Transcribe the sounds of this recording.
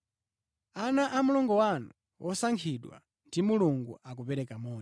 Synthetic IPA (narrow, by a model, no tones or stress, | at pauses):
anaʔamulɔŋɡɔwanu | wʔɔsaŋkʰiɗwa̰ | ndimuluŋɡuʔak̬upɛɾɛkamɔː